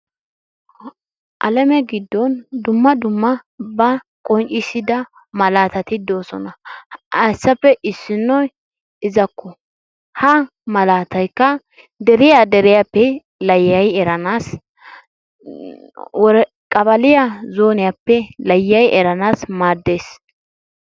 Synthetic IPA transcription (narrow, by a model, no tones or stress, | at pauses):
ʔɐ̰lɛmɛɡɪd̪ːɔnd̪ʊmːɐd̪ʊmːɐbɐ | kʼɔnt͡ʃʼɪsɪd̪ɐ | mɐlaːt̪ɐt̪ɪd̪o̞ːsɔ̰nɐɐjsːɐpːɛʔɪsːɪnːɔj | ɪzɐkːɔ | hɐ | mɐlaːt̪ɐjkːɐ | d̪ɛɾɪjad̪ɛɾɪjapːɛ | lɐjːɐjɛɾɐnaːs | wɔɾ | kʼɐbɐlɪjazo̞ːnɪjapːɛlɐjːɐjʔɛɾɐnaːsmaːd̪ːe̞ːs